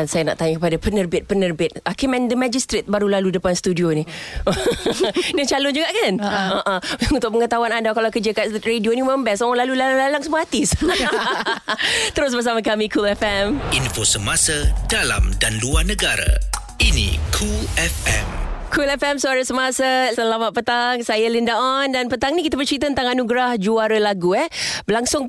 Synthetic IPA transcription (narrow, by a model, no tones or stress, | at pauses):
ansajana̰ʔt̪aɲakəpadapənərbɪt̪̚pənərbɪt̪̚akimɛ̃ndəmad͡ʒist̪ɾɪt̪̚baɾulaludəpanst̪udioni | nət͡ʃalʊnd͡ʒuɡaʔkanəʔə̃unt̪ʊk̚məŋət̪awanandakalawkəd͡ʒəkaredioniməmbɛsɔɔlalulallalaŋsəmahat̪is | t̪əɾʊs̬bərs̬amakamikʰulɛfɛminfosəmasadala̰mdanluarnəɡaɾa̰ | inḭkʰuɛfɛ̰mkʰulɛfɛmsəaɾəsəmasasəlamat̪̚pət̪aŋsajəlindaʔɔndanpət̪aŋnikit̪abərt͡ʃɾit̪̬at̪ənt̪aŋanuɡɾahd͡ʒuaɾəlaɡuɛhbəlaŋsʊŋ